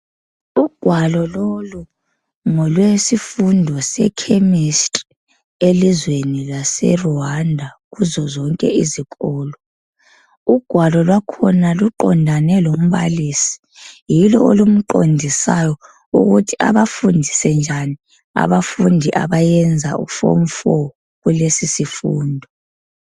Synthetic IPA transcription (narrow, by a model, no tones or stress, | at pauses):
uɡ̥ʱwalɔlolu | ŋɔlwesifundʱɔsɛ̰kʰemistʼ | elizwenilasɛ̰ruwandʱaɣuzɔzɔŋkʼɛ̰izikʼɔːlɔ | uɡ̥ʱwalɔlwakʰɔnaluǃɔndʱanɛlom̩βaliːsi̥ | jilɔ̰olum̩ǃo̰ndʱisajɔ | ṵɣutʰi̥a̰βafundʱisɛnd͡ʒʱani | a̰βafundʱiʔa̰βajɛnd͡zʱaʔṵfo̰mfɔ | ɣulesisifuːndʱɔ